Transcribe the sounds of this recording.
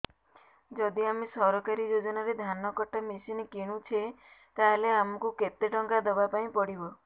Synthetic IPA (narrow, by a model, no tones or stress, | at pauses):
d͡ʒɔd̪iamesɔɾɔkaɾid͡ʒod͡ʒɔnaɾed̪ʱanɔkɔʈamesinkeɽ̃ũt͡ʃʰet̪aɦeleamɔkuket̪eʈɔŋkad̪ɔbapaĩpɔɽibɔ